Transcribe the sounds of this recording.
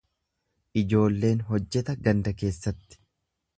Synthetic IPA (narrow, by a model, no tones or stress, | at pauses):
ʔɪd͡ʒo̞ːlːe̞ːnɦɔd͡ʒːɛt̪ɐɡɐnd̪ɐke̞ːsːɐt̪ːɪ̥